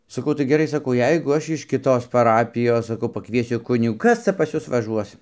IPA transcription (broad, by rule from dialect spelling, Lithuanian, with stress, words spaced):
sɐˈkɐʊ tɐɪ ɡʲɛˈrɐɪ sɐˈkɐʊ ˈjɛɪɡʊ ɐʃ ɪʃ kʲɪˈtoːs pɐˈrɑːpʲɪjoːs sɐˈkɐʊ pɐˈkʋʲiɛsʲʊ ˈkʊnʲɪɡuː ˈkɐs t͡sɐ pɐs ˈjʊs ʋɐˈʒuɔs